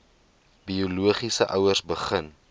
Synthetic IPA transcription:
biuluəχisəʔœwərsbəχən

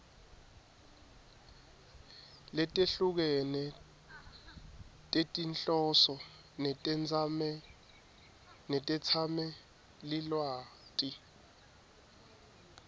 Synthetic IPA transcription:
lɛtʼeɬuk̬ɛnɛ | tʼetʼinɬʼɔsɔ | nɛɛd͡zamɛ | nɛtʼɛt͡sʰamɛ | lilwaːtʼi

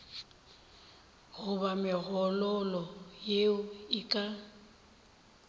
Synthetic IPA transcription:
ɣʊbamɪɣɔlɔlɔjeʊɪkʼa

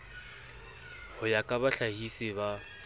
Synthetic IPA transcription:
hʊjakʼabaɬaɦisɪba

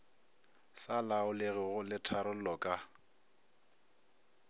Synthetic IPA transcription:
salaʊlɪɣɪɣʊlɪtʰaɾʊl̩lɔkʼa

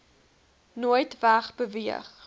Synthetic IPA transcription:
nuəjtvæχbəviəχ

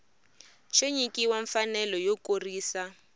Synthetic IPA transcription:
t͡ʃoɲikiwaɱfanɛlɔjokoriːsa

